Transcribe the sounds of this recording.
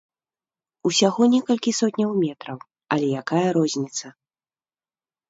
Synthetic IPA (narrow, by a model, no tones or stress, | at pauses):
usʲaɣɔnʲɛkɐlʲkʲisɔtʲnʲɐwmʲɛt̪ɾɐw | ɐlʲɛjakajɐɾɔzʲnʲit̪sɐ